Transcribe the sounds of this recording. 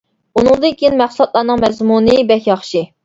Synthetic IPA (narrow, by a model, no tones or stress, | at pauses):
unɨŋd̪ɨnkʲijinmæχslɑt̪̚lˠɑnɨŋmɛzmunɨbɛkʲjɑχʃi